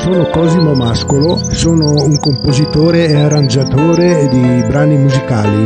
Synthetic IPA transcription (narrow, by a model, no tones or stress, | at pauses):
soːnokɔːzimomaskolosoːnouŋkompozit̪oːɾeeaɾand͡ʒat̪oːɾed̪ibɾaːnimuzikaːli